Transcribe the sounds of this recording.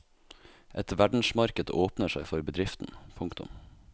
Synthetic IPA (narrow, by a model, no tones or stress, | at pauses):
ʔɛt̪ʋæɖɳ̩smɑɾkəd̪ə̰ʔoːpnəʃæɪfɔɾbəd̪ɾɪft̪n̩pʰʊŋkt̪ʊ̰m